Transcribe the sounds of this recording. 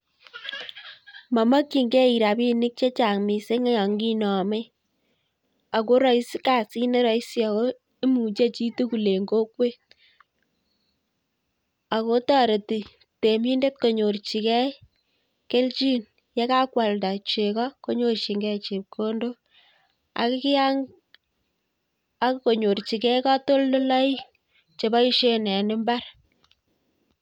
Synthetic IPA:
ma˨ma˦kːi˨ŋɡe˦i˨ɾa˨bi˦ni˦k̚t͡ʃe˦t͡ʃa˨ŋmi˨se˦ŋe˦ja˨ŋɡi˦nɔ˨me˦ | a˨ko˦ɾɔ˦i˦si˦ka˨si˦ne˦ɾɔ˨i˦sja˨ko˦ | e˦mu˨t͡ʃe˦t͡ʃi˦tu˦ku˨le˨ŋɡo˦kwe˦ | a˨ko˦tɔ˦ɾe˨ti˨ | te˨mi˦nde˦t̚ko˨ɲo˨rt͡ʃi˨kɛ˦ | ke˦lt͡ʃi˦n | je˦ka˦kwa˨lda˨t͡ʃe˨kɔ˦ko˦ɲo˦rt͡ʃi˨ŋɡɛ˦t͡ʃi˨p̚kʰo˦ndo˦ | a̰˨kɪ˦kɪ˦a˦ŋ | a˦kko˨ɲo˨ɾt͡ʃi˨kɛ˦ka˦to˦lːo˦la˦i˦ | t͡ʃe˨ba˦i˦ʃe˦nɛ˨nɪ˦mba˦r

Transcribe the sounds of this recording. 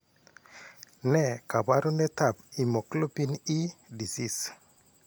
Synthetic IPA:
nɛ˦˨ka˨ba˦ɾo˦nɛ˦ta˨pi˨mo˨klo˦pi˦ni˦di˨si˦˨s

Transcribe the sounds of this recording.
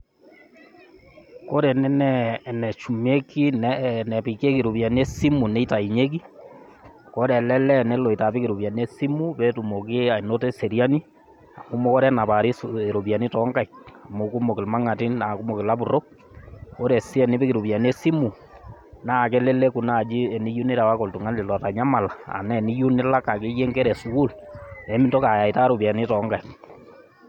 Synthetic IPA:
ko˦ɾe˨nɛ˦nɛnɛ˨t͡ʃu˨me˦ki˦nɛnɛ˨pi˨ke˦ke˨ɾu˨βja˨n˦e˦si˦mu˨ne˦i˦ta˨i˨ɲe˦k̬i˦ | ko˦ɾɛ˨lɛ˦lɛ˦nɛ˦lo˨i˨ta˨pi˦ke˨ɾu˨βja˨n˦e˦si˦mu˦βe˦tu˨mo˨ke˦a˨i˨no˦te˦se˨ɾja˦ni˦ | a˨mo˦mo˦ko˦ɾɛ˦na˨βa˨ɾi˦se˨ɾo˨βja˨ni˦tɔ˦ŋka˦ia˨mo˦ku˦mo˨kɪ˨lma˦ŋa˨ti˦nna˨ku˦mo˨kɪ˨la˦bu˨ɾo˦ | o˦ɾɛ˨si˦ɛ˨ni˦pi˦ki˨ɾu˨bja˨n˦e˦si˦mu˨ | na˦˨kɛ˦lɛ˦lɛ˦ku˨na˦˨d͡ʒi˦ɛ˨ni˦ju˦ne˦ɾa˨wa˦ko˨ltu˨ŋa˦lɪ˨lɔ˨ta˨ɲa˦ma˨la˨a̰˨nɛ˦˨ni˦ju˦ne˦la˦ka˨ke˦je˦ŋɡɛ˦ɾɛ˨su˨˦wu˦lɛ˨˦mi˦nto˦ka˨ja˨i˨ta˦ɾo˨bja˨ni˦tɔ˨˦ŋɡa˨i˨k

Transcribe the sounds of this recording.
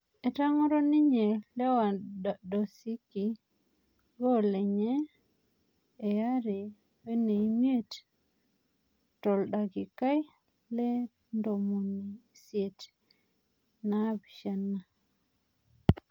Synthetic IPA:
e˨ta˦ŋɔ˦ɾɔ˦ni˦ɲe˨lɛ˦wa˨do˨si˦ki˨ | ɡo˦le˨ɲɛ˦ | e˨ja˦ɾe˨ | we˦ne˨i˦ɲi˦e˦t | tɔ˨lɗa˨ɡi˨ka˦j | lɛ˦ | ndo˨mo˨ni˨sje˨t | na˦bi˨ʃa˨na˦

